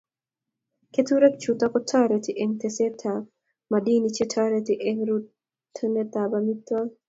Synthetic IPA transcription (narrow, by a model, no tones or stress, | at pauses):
ketuɾɛk̚t͡ʃutakɔtʰaɾetiʔɛŋt̪ɛsɛtʰa | madinit͡ʃetʰaɾetiʔeŋɾut | t̪ʰənɛt̪abamit̪wal